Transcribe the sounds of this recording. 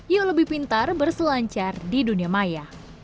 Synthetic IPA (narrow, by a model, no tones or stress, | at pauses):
juləbɪhpint̪arbərsəlaɲt͡ʃardiduniamajah